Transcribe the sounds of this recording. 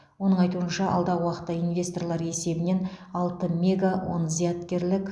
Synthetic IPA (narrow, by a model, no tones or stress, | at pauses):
wo̞nəɴɑjt̪uənʃɑɑ̰lˠd̪ɑʁwɑqə̥t̪ːɑinvʲe̞st̪o̞rlˠɑɾe̞se̞bɪne̞nɑlˠt̪əmʲe̞ɡawo̰nəzijat̪kʲe̞ɾlɪkʲ